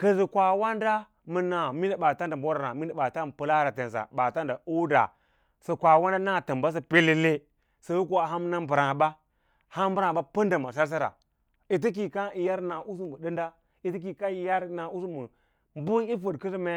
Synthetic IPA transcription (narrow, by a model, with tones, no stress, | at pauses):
kə˨zi˨kʷa˨wa˦nda˦ | mə˨na˨mi˦na˨ɓa˨ta˦nda˨m˨bo˦ɾa˨ɾa˨mi˦nda˨ɓa˨ta˦m˨pə˨la˦ɾa˨te˨n˨s̬a̰˨ɓa˨ta˦nda˨o˦da̰˨ | sə˨kʷa˨wa˦nda˦na˦˨tə˨mba˦s̬a˦pe˦le˦le˦ | sa˨ju˦ko˦a˨ɦa˦m˦na˦bə˨ɾa˨ba˦ | ha˦m˦bɾa˨ɓa˦pə˦nda˨ma˨s̬a˦ɾs̬a˦ɾa̰˨ | i˨t̬ə˦k̬i˨ka˦i˨ja˦ɾna˨ʔu˦s̬u˦mə˨də˦nda˦ | i˨ti˦k̬i˨ka˦i˨ja˦ɾna˨u˦su˦mə˨ | m˦bu˦i˦fə˨dkə˦zi˦me˦